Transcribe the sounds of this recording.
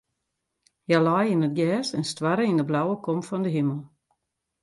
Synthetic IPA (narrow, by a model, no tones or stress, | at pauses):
jalajɪnət̚ɡɛːsɛnstwaɾəindəblawəkɔmfɔndəɦiməlˠ